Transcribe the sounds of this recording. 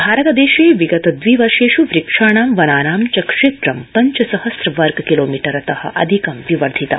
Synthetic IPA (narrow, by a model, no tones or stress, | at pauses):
bʱaːɾɐt̪ɐd̪eːʃeːʋiɡɐt̪ɐd̪ʋiʋɐɾʂeːʃuʋɾikʂaːɳaːmʋɐnaːnaːmt͡ʃɐkʂeːt̪ɾɐmpɐɲt͡ʃɐsɐhɐsɾɐʋɐɾɡkiloːmiːʈɐɾɐt̪ɐhɐ̰̆ʔɐ̰d̪ʱikɐmʋiʋɐɾd̪ʱit̪ɐ̰